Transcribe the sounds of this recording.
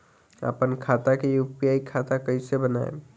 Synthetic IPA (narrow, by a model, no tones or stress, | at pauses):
ə̰pənkʰat̪akejupijaikʰat̪akəɪsebəna̰ḛ